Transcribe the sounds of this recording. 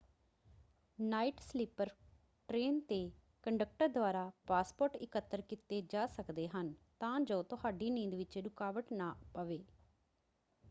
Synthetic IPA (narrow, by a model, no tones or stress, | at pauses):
naːiːʈsliːpəɾ | ʈɾeːnt̪eː | kəɳɖək̚ʈəɾd̪ʊaːɾaːpaːspoːʈɪkət̪ːəɾkɪt̪eːd͡ʒaːsəkd̪eːɦənt̪ãːd͡ʒoːt̪ʊɦaːɖiːnĩːnd̪ʋɪt͡ʃɾʊkaːʋəʈnãːpəʋeː